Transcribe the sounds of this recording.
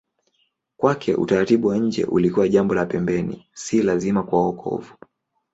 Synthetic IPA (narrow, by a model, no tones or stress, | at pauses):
kwakʰɛ̰ʔṵtaɾatiɓuwaɲ̩d͡ʒɛ̰ʔulikuwaʄambɔlapɛmbɛnḭsilazimakuaɔkʰɔ̰vu